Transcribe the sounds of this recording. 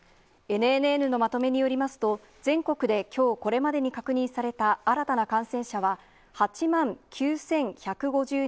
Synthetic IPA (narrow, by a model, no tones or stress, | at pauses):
e̞n̟enɯenɯ̟no̞mat̪o̞me̞ɲ̟ijo̞ɾʲimasɨ̥t̪o̞ | zẽ̞ŋko̞kɯ̟d̪e̞kʲʰo̞ːko̞ɾe̞mad̪e̞ɲ̟ikakɯ̟ɲ̟ĩɰ̃saɾe̞t̪aaɾat̪anakãɰ̃sẽ̞ɰ̃ɕaβa | hat͡ɕimãŋkʲʰɨːsẽ̞ŋçakɯ̟ɡo̞ʑɨː